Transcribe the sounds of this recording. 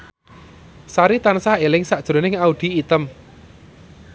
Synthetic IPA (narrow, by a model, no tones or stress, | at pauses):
saɾit̪ansahelɪŋsaʔd̥ʒ̥ɾo̤nɪŋaud̪̥i̤ːt̪əm